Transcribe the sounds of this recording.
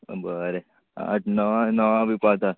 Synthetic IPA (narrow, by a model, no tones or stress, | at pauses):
bəɾe | a̰ʈnəʋãnəʋãbipat̪a